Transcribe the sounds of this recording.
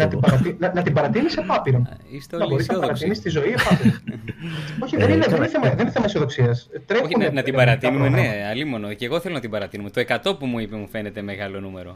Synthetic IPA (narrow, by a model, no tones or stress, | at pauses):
nɐt̪ibɐɾɐt̪inɐnɐt̪ibɐɾɐt̪inisepɐpiɾo̞nist̪eonɐbo̞ɾiznɐbɐɾɐt̪inist̪izo̞iepɐpiɾon | o̞çiðenieðeθemɐðeniθemɐisio̞ðo̞ksiɐst̪ɾe̞unenɐt̪ibɐɾɐt̪inumenneɐlimo̞noceɣoθelo̞nɐt̪ibɐɾɐt̪inumet̪oe̞kɐt̪o̞pumuipemufe̞ne̞t̪eme̞ɣɐlo̞nume̞ɾo̞